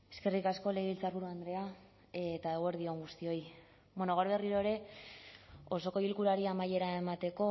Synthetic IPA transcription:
e̞̥ske̞rikasko̞le̞ɣeilt͡saɾβuɾuand̪ɾe̞a | et̪aeɣoeɾðio̞ŋɡust̪io̞j | bwonoɣ̞awɾβe̞riɾo̞eɾe̞ | o̞so̞ko̞ilkulaɾiamaje̞ɾae̞mat̪e̞ko̞

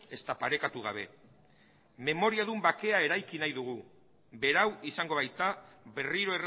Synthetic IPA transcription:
e̞st̪apaɾe̞kat̪uɣ̞a̰β̞e̞̰ | me̞mo̞ɾiaðumbake̞ae̞ɾajkinajðuɣ̞u | βe̞ɾawisaŋɡo̞β̞ajt̪aβe̞riɾo̞er

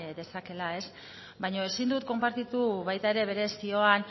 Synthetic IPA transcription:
d̪e̞sake̞lae̞s | bajɲo̞e̞sind̪ut̪̚ko̞mpaɾt̪it̪uβajt̪ae̞ɾe̞β̞e̞ɾe̞sio̞an

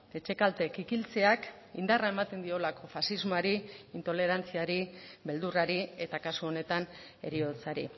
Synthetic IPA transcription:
e̞t͡ʃe̞kalt̪e̞kikilt͡se̞ak | ind̪araemat̪e̞nd̪io̞lako̞fasizmoaɾiint̪o̞le̞ɾant͡siaɾibe̞ld̪uraɾie̞t̪akasuo̞ne̞t̪an | e̞̰ɾio̞t͡saɾḭ

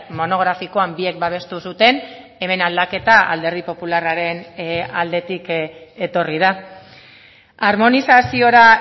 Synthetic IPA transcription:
mo̞no̞ɣ̞ɾafiko̞ambie̞k̚baβ̞e̞st̪usut̪e̞n | e̞me̞nald̪ake̞t̪aa̰ld̪e̞ɾð̞ipo̞pularaɾe̞nald̪e̞t̪ike̞t̪o̞rið̞a | aɾmo̞nisasio̞ɾa

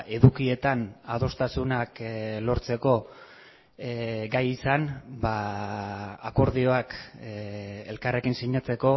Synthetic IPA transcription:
e̞ðukie̞t̪anaðo̞st̪asunaklo̞ɾt͡se̞ko̞ | ɡajisanba | ako̞ɾðio̞ak | e̞̰lkare̞kinsiɲat͡se̞ko̞

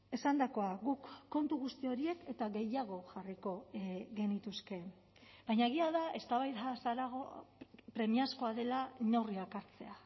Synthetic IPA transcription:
e̞sand̪ako̞aɣukːo̞nt̪uɣust̪io̞ɾie̞ke̞t̪aɣe̞jaɣ̞o̞ʝariko̞ɣe̞nit̪uske̞ | bajɲaeɣ̞iaðae̞st̪aβajðasaɾaɣopɾe̞miasko̞aðe̞lanoriakaɾt͡se̞a

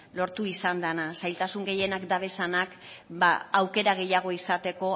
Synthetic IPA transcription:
lo̞ɾt̪uisand̪anasajlt̪asuŋɡe̞je̞nakd̪aβe̞sanakba̰awke̞ɾaɣe̞jaɣ̞o̞isat̪e̞ko̞

